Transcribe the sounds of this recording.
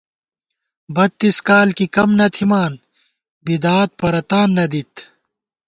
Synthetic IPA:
bɐt̪ːiskaːlkikɐmnɐt̪ʰimaːn | bid̪aːt̪̚pɐɾɐt̪aːnːɐd̪it̪

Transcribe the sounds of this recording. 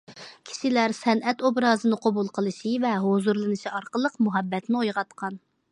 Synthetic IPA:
kʲʰi̥ʃilæɾsɛnʔɛt̪obɾɑːzɨnɨqʰobulˠqʰəlˠɨʃivɛɦozuɾlˠɨnɨʃiɑɾqəlˠəqmuɦɛbːɛt̪nɪojʁɑt̪qʰɑn

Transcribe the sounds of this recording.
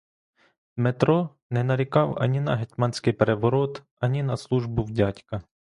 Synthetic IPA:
met̪ɾɔ | nɛnɐɾʲɪkɑwɐ̰nʲinɐɦɛt̪ʲmɑnʲsʲkɪjpeɾeʋɔɾɔt̪ | ɐnʲinɐslˠuʒbʊwdʲatʲkɐ

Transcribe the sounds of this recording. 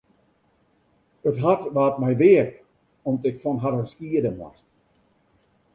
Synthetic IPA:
ətɦatʋaːt̚mɛjʋɪək | ɔmtɪkfɔnɦaɾənskiədənwɔ̰st

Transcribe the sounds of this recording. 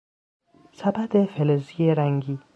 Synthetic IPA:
sabæd̪efelezijeɾæŋɡi

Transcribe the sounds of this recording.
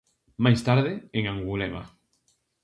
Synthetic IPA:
majst̪aɾðɪeŋãŋɡulema̰

